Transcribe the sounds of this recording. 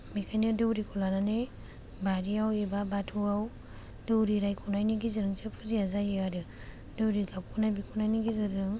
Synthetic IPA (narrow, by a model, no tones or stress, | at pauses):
mikʰajnɯdewɾikʰɔlanane | baɾiawebabatʰuaw | dewɾiɾajkʰunajniɡiziɾɯŋsepʰuziazajeaɾɯ | dewɾiɡap̚kʰunajbikʰunajniɡizɯɾɯŋ